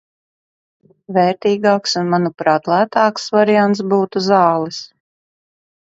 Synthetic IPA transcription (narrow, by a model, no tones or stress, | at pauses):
vɛːɾt̪iːɡɑːksunmanupɾɑːt̪lˠæːt̪ɑːksvaɾijant̪sbuːt̪uzɑːlˠis